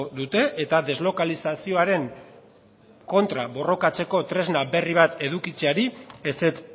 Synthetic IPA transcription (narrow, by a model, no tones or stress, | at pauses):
d̪ut̪e̞ʔet̪aðe̞zlo̞kalisasio̞aɾe̞ŋ | ko̞nt̪ɾaβo̞ro̞kat͡se̞ko̞t̪ɾe̞znabe̞riβ̞at̪e̞ðukit͡se̞aɾieset͡s